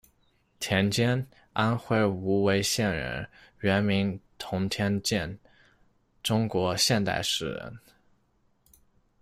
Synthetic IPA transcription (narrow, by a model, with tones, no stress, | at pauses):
t̪ʰjɛ˧˥nt͡ɕjɛ˥n | a˥nxwe˥˩ɪu˧˥we˧˥ɪɕjɛ˥˩nɻə̰˧˥nɥɛ˧˥nmi˧˥ŋt̪ʰʊ˧˥ŋt̪ʰjɛ˥nt͡ɕjɛ˥˩n | ʈ͡ʂʊ˥ŋkwɔ˧˥ɕjɛ˥˧nt̪a̰˥˧ɪʂɻ̩˥˩ɻə̰˧˥n